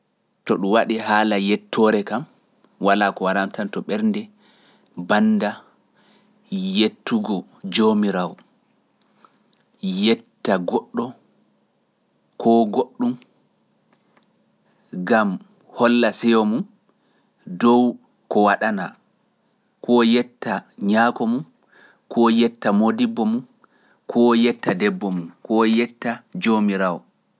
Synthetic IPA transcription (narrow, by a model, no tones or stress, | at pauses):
tɔɗuwaɗihaːlajɛtʰːɔːɾɛkam | walakɔwaɾamtantɔɓɛɾndɛ | banːda | jetːuɡɔ | d͡ʒomiɾawɔ | jɛtːaɡoɗːɔ | kʰɔɡoɗːum | ɡam | hɔlːasɛjɔmun | dɔw | kɔwaɗana | kʰɔjɛtːaɲaːkɔmun | kʰɔːjɛtːamodibːɔmun | kʰɔjɛtːadɛbːɔmumkɔjɛtːad͡ʒomiɾawɔ